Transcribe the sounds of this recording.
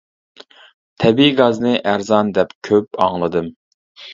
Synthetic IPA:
t̪ʰɛbiɡɑznɨʔæɾzɑnd̪ɛpkʲʰøpɑŋlˠɨd̪ɨm

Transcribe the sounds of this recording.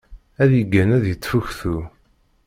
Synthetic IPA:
æðjəɡːænæðjət͡sːfuçθu

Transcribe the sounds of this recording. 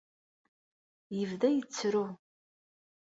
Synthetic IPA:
jəvðæjət͡sːɾu

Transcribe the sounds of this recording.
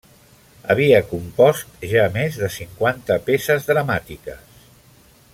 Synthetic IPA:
əβ̞iəkumpɔst̪ʒamezðəsiŋkwant̪əpesəzðɾəmat̪ikəs

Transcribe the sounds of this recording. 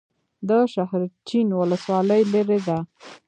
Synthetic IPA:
d̪əʃahɾt͡ʃinwʊləswɑləjleɾed̪a

